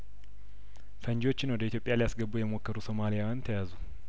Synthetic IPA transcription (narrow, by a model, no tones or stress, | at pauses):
fəɲd͡ʒwot͡ʃːɪnːəwd̪əit̪jopʼːjalijasɡəbːujɛmo̞kːəɾuso̞malijawant̪ʰəjazu